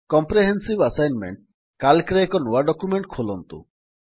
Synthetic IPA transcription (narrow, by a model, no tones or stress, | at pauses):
kɔmpɾeɦensibasajnmḛɳʈ̚ | kalkɾeekɔnuwaɖɔkumeɳʈ̚kʰolɔnt̪ṵ